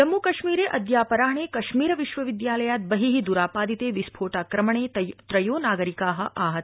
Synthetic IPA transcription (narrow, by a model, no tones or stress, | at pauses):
d͡ʒɐmːukɐʃmiːɾeːʔɐd̪jaːpɐɾaːɳeːkɐʃmiːɾɐʋiʃʋɐʋid̪jaːlɐjaːt̪̚bɐɦiɦid̪uɾaːpaːd̪it̪eːʋispʰoːʈaːkɾɐmɐɳ̃eːt̪ɾɐjoːnaːɡɐɾikaːɦɐ̆ʔaːɦɐt̪